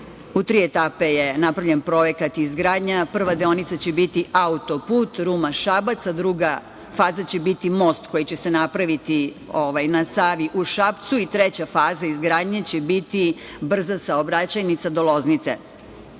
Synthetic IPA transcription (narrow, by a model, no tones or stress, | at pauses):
ut̪ɾiːet̪aːpe̞jenapɾaʋʎʲe̞npɾo̞je̞kat̪izɡɾaːd̪ɲapr̩ʋad̪eonit̪sat͡ɕebit̪iʔaut̪o̞puːt̪ɾumaʃabat̪sad̪ɾuɡa | faːzat͡ɕebit̪imo̞st̪ko̞jit͡ɕe̞senapɾaʋit̪i | oʋajnasaːʋiʔuʃapt̪suit̪ɾet͡ɕafaːzaizɡɾaːd̪ɲet͡ɕebit̪i | br̩zasaobɾat͡ɕajnit̪sad̪o̞lˠo̞znit̪sḛ